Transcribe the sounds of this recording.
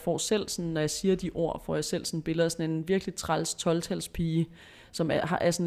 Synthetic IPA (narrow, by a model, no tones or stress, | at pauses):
fɒ̰ːsel̰sɔ̽nːɒjɑ̈ɪsiːɐd̥iʔo̝ɐ̰fɒ̰ːjɑ̈sel̰sɔ̽n̩b̥e̝ləð̩ˠsɒ̽ne̝nʋiɐɡ̥lit͡sʰʁalst͡sʰɒ̽lt͡sʰælspʰiː | sɒ̽mæhɑʔæɐsɔn